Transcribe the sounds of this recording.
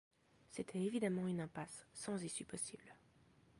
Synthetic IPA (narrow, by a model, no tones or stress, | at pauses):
set̪ʰɛevid̪amɑ̃ynɛ̃pasːɑ̃zisypɔsibl